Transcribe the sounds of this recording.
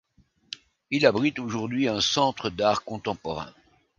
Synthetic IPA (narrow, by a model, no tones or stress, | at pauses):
ilabʁit̪oʒuʁd̪ɥiɛ̃sɑ̃t̪χəd̪aʁkɔ̃t̪ɑ̃pɔʁɛ̰̃